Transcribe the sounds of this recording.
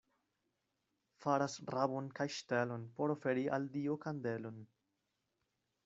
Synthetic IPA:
faɾasɾabonkajʃtelo̞npo̞ɾofeɾiʔa̰ldiokandelon

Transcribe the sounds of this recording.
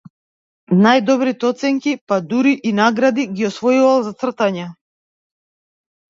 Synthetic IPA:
najd̪ɔbɾit̪ɛɔt̪sɛŋkʲipad̪uɾiʔinaɡɾad̪iɡʲiɔsvɔjuvalˠzat̪sr̩t̪aɲa

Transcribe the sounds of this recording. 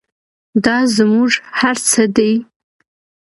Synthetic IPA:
dazɨmuʐħart͡sʰɨdej

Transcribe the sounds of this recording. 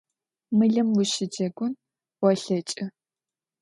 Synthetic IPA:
mɨɮɨmwʊʃɪd͡ʒɐɡʷʊn | wɔɬɐt͡ʃʼɪ

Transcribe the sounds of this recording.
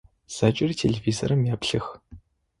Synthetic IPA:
z̥aːt͡ʃʼɪritʰelɮeviːzo̰ɾɐmjaːpɬɨx

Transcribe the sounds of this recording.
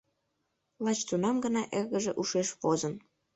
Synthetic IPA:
lɑt͡ɕt̪unɑmɡənɑʔeɣəʒeʔuʃeʃβozən

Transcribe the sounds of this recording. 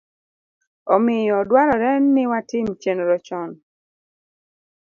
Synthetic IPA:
ɔmɪjɔdwaɾɔɾɛnːɪwatɪmt͡ʃenɾɔt͡ʃɔn

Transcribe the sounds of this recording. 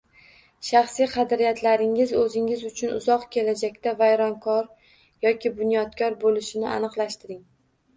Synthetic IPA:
ʃɑχsijqʰɑd̪ɾijat̪ʰlaɾɪŋɪzɵzɪŋɪzʊt͡ʃʰʊnʊ̰zɒqkʲʰe̞lad͡ʒakʲt̪avajɾɒnkʰɒɾ | jɒkʲɪbʊnjɒd̪kʰɒɾbolɪʃɪnɪa̰nɨqlˠaʃt̪ɪɾɪŋ

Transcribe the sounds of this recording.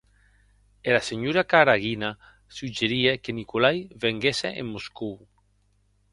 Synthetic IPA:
elaseɲuɾakaɾaɣina | sud͡ʒeɾiekenikolajβeŋɡesḛʔḛmːosku

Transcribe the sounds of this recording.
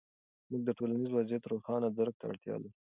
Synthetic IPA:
muɡ̚d̪əʈolanizwazjat̪ɾoxɑnad̪aɾk̚t̪aa̰ɽt̪jɑ̰d̪a

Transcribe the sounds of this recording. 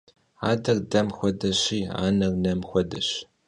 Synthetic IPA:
aːdɐrdɐmxʷɔdɐɕiːa̰ːnɐrnɐmxʷɔdɐɕ

